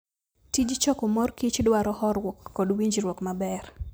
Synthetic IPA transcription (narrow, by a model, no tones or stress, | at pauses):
tid͡ʒt͡ʃɔkomorkit͡ʃdwaɾɔhɔɾwɔkːɔdwiɲd͡ʒɾwɔkmabɛr